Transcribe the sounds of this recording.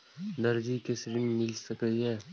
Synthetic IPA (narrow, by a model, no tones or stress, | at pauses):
d̪ɐɾd͡ʒikesɾɪnmɪlsəkəiɦɛː